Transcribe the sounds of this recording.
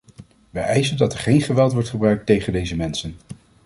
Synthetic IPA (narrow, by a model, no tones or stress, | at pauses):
ʋəʔɛjzəndɑtɛɹχejnχəʋɛlˠtʋɔɹtχəbrœɥk̚tejχəndejzəmɛnsən